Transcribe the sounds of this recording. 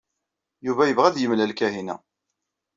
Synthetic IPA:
juvæjəvʁæðjəmlælkæɦinæ̰

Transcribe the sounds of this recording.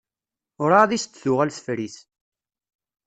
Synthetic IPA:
ʊɾˤaðist̪ːθʊʁælθəfɾiθ

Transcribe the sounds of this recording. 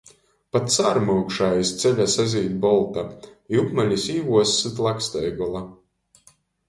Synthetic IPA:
pat̪saɾmɨːkʃajist̪sɛʎʲasazʲiːt̪ʲbɔlˠt̪aipmalʲisiːvuɔsːɨt̪lˠakst̪ɛjɡɔlˠa

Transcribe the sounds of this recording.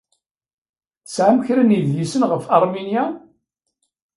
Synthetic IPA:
θsʕamçɾəniðjisənʁəfɑɾˤminja

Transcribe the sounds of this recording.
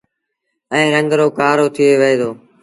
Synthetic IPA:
ɛ̃ːɾə̃ŋɡɾoːkaːɾoːt̪ʰɪjeːʋəɦeːd̪oː

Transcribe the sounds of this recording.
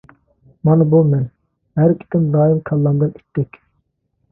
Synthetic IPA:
mɑnɨbulˠmɛn | ɦæɾʰi̥t̪ʲɪnd̪ɑːimkʰɑlˠːɑmd̪ɨni̥t̪ʰːɛkʲ

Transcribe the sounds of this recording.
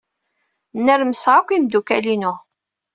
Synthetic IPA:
nːəɾməsʁakʷːimd̪ukælinʊ

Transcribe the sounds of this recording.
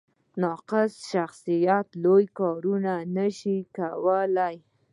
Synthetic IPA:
nɑqɪsʃaxsijat̪lojkɑɾunanəʃikawəlaj

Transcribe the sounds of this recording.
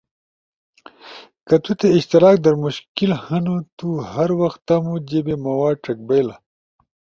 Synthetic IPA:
kɐt̪ut̪eiɕt̪iɾaːk̚d̪ɐɾmuɕkilhɐnut̪uhɐɾwɐxt̪ɐmud͡ʑebemɐwaːʈɐk̚bejla

